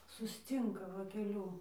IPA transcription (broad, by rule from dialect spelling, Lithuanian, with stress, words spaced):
sʊsʲˈt͡sʲiːŋkɐ ˈʋɐ kʲɛˈlʲuː